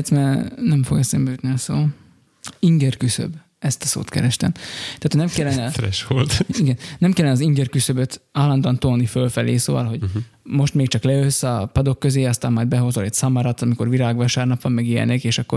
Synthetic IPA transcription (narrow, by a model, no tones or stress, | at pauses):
t̪smɛnɛɱfo̞̰ɡɛsɛmbɛøt̪niɒsoː | iŋɡɛrkysø̰b | ɛst̪ɒso̰ːt̪kɛ̰ɾɛʃt̪ɛ̰mt̪ɛaːt̪ʰonɛmkɛlːɛnɛɾɛ̰ʃʋolt̪iɡɛnːɛmkɛlːɛnɛɒziŋɡɛrkysø̞bøt̪aːlːɒnd̪ɒnt̪oːnifølfɛleːso̰ːvɒ̰lɦo̞ɟ | mo̞ʃt̪meːk̚t͡ʃɒklɛøsːɒpɒd̪o̞kːøzeːɒst̪aːmːaːjd̪bɛɦozolɛtsɒmɒɾɒt̪ɒmikorʋiɾaːɡʋɒʃaːrnɒpʋɒmːɛɡijɛ̰nekeːʃɒkːo̰